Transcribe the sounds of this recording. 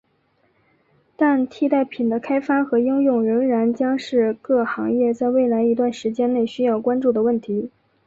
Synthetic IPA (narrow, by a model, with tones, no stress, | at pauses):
t̪a˥˧nt̪ʰi˥˧t̪a˥˩ɪpʰi˨˩nd̪ə˦kʰa˥ɪfa˥xɤ˧˥i˥ŋjʊ˥˩ŋɻə˧˥ŋɻa˧˥nt͡ɕjɑ˥ŋʂɻ̩˥˧kɤ˥˩xɑ˧˥ŋjɛ˥˧t͡sa˥˧ɪwe˥˩ɪla˧˥ɪi˧˥t̪wa˥˩nʂɻ̩˧˥t͡ɕjɛ˥ne˥˩ɪɕy˥jɑ˥˩ʊkwa˥nʈ͡ʂu˥˩d̪ə˩wə˥˩nt̪ʰi˧˥